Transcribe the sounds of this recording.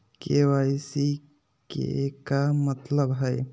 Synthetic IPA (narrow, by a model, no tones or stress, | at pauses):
kewajsi | kḛekamət̪ləbɦəj